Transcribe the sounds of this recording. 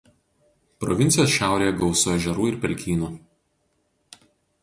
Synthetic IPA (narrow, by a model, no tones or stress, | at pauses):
pɾɔʋʲɪnt̪sʲɪjoːsʃʲæˑʊɾʲeːjɛɡɒʊsoːɛʒʲɛɾuːɪɾpʲɛɾʲkʲiːnuː